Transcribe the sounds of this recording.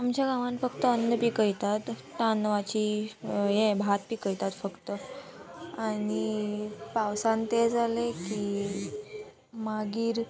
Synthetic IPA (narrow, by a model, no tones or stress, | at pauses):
amt͡ɕjaɡaʋãnfəkt̪əənd̪əpikəjt̪at̪ː | anəʋat͡ɕijẽbʱat̪̚pikəjt̪at̪fəkt̪ə | anipawsãnt̪ed͡zaleki | maɡiːɾ